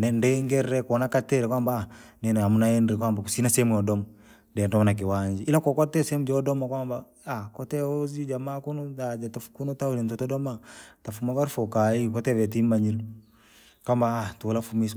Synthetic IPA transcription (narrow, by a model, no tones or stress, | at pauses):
nɛndɛŋɡɛɾɾɛkɔnakatɛɾɛkwamba | nɛnɛamunaɛndɛkwambakusinasɛmujɔdɔmɔ | dɛntɔmanak̬iwaɲd͡ʒiʔilakɔkɔtɛsɛmud͡ʒɔdɔmakwamba | akɔtɛɔzid͡ʒamakunuad͡ʒatɔfkunutaulintɔtɔdɔmatafumaβaɾfɔkaikɔtɛvɛt̬imaɲilu | kambaatulafumis